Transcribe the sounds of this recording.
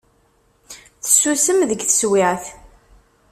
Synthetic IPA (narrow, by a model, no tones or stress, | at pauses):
θə̥sːusəmðəɡθə̥swɪʁθ